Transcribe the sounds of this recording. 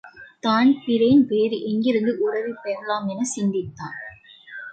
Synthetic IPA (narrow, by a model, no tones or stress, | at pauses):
t̪aːnpɪɾɐnpeːɾɯʔɛŋɡɪɾɯnd̪ɯʔʊɾɐʋipeːɾɐlaːmɛnɐsɪnd̪ɪt̪ːaːn